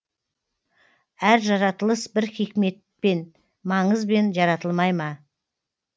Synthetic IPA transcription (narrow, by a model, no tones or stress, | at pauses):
æɾʒɑɾɑt̪əlˠəsbɪɾχijkme̞t̪̚pe̞n | mɑɴəzbe̞nʒɑɾɑt̪əlˠmɑjmɑ